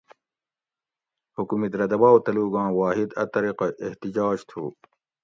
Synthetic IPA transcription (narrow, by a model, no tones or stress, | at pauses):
hukumid̪ɾɐd̪ɐbaːwt̪ɐluːɡɑ̃ːwaːɦid̪ɐ̰t̪ɐɾiqɑeht̪id͡ʑaːd͡ʑt̪ʰṵː